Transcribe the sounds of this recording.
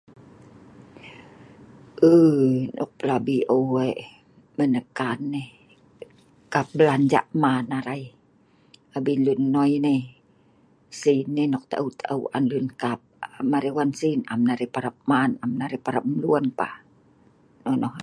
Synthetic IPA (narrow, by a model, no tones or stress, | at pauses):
ʔənʔɔ̰k̚pəlabiʔəwe | mənəkanːe | kap̚bəland͡ʒa̰ʔmanaɾai | abinlunːɔjne | sinːenɔk̚t̪a̰ʔəwt̪aʔəwʔa̰nlunkap̚amaɾewansinamnaɾepaɾap̚manamnaɾepaɾap̚mluənpa̰ | nɔnɔh